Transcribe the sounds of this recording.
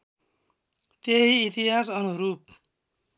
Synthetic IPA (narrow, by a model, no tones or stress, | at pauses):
t̪eɦiːt̪iɦasʌnuɾup̚